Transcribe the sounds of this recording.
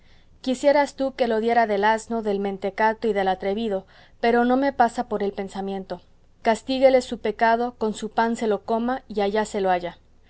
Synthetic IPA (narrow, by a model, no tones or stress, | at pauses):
kisje̞ɾast̪uke̞lo̞ðje̞ɾaðe̞lazno̞ðe̞lmẽ̞nt̪e̞kat̪o̞iðe̞lat̪ɾe̞βið̞o̞ | pe̞ɾo̞no̞me̞pasapoɾe̞lpe̞nsamjẽ̞nt̪o̞ | kast̪iɣe̞le̞supe̞kað̞o̞ko̞nsupanse̞lo̞ko̞maiaʝase̞loaʝa